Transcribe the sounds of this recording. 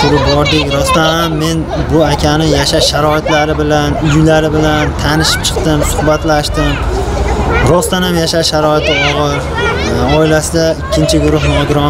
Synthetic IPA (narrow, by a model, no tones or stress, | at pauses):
t̪ʰʊɾɪp̚bɒɾd̪ɪkʲɾɒst̪anhamːe̞n | bʊakʲʰanɪjaʃaʃaɾɒɪt̪laɾɪbɪlanjʊlaɾɪbɪlant̪ʰanɪʃɪ̥p̚t͡ʃʰɨ̥qt̪ɪmsʊhbat̪laʃt̪ɪm | ɾɒst̪anhamjaʃaʃʃaɾɒɪt̪ʰɪɒʁɨɾ | ɒɪlasɪd̪aɪkʲʰːɪnt͡ʃʰɪɡʊɾʊhnɪɒɡ̪ʲɾɒ